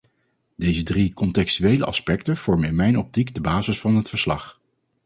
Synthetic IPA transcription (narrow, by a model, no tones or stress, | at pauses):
d̥ejzədrikɔntɛkstyejlə̰ʔɑ̰spɛktəv̥ɔɹməɪnmɛjnɔp̚tiɡdəbaːzəsfɑnɦətfəɹslɑ̰χ